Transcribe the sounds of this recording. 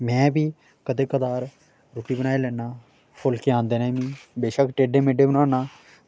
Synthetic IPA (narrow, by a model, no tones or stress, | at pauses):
mɛ̃ːbiː | kəd̪eːkəd̪aːɾ | ɾoːʈiːbənaːeːlɛːnaː | pʰʊlkɪãːnd̪eːnɛ̃ːmĩːbeːʃəkʈeːɖeːmeːɖeːbənaːnaː